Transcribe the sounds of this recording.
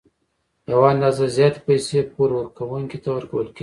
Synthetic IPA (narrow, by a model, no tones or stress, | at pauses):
jawaand̪ɑzazjɑt̪e̥pajsepoɾwəɾkawuŋkʲet̪awəɾkawəlkʲeɡ